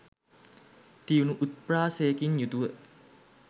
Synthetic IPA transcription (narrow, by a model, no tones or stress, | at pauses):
t̪iunuʔut̪̚praːsejekinjut̪uʋə